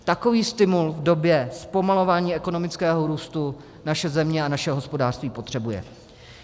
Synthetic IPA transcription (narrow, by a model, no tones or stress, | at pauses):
t̪ako̞viːst̪ɪmulvdo̞bjɛspo̞malo̞vaːɲiːɛko̞no̞mɪt͡skɛːɦo̞ɾuːst̪u | naʃɛzɛmɲɛanaʃɛɦo̞spo̞daːr̥st̪viːpo̞t̪r̝̥ɛbujɛ̰